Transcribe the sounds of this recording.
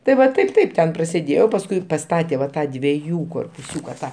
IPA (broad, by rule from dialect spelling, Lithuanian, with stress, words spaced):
tɐɪ ˈʋɐ ˈtɐɪp ˈtɐɪp ˈtʲɛn prɐsʲeːˈdʲeːjɛʊ pɐsˈkʊɪ pɐˈstɑːtʲɛ ʋɐ ˈtɑː dʲʋʲiɛˈjuː koːrpʊˈsʲuːkɐ ˈtɑː